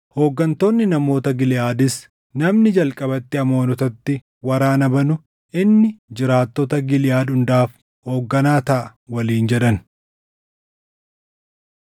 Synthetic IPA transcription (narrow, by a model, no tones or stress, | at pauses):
ho̞ːɡːɐnt̪o̞ːnːɪnɐmo̞ːt̪ɐɡɪlɪjaːd̪ɪs | nɐmnɪd͡ʒɐlkʼɐbɐt̪ːɪɐmo̞ːnɔt̪ɐt̪ːɪ | wɐɾaːnɐbɐnʊ | ʔɪnːɪd͡ʒɪɾaːt̪ːɔt̪ɐɡɪlɪjaːd̪ʊnd̪aːf | ho̞ːɡːɐnaːt̪ɐʔɐwɐliːnd͡ʒɛᶑɐn